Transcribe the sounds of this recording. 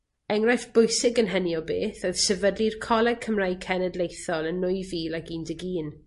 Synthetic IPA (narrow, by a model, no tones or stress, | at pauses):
ɛŋrajθb̥ʊjsɪɡənɦəniɔbeːθoɨð̥sɛvədlir̥kʰɔlˠɛɡ̚kʰəmraj̚kʰɛnədlejθɔlˠənːʊjviːlˠakiːndəɡiːn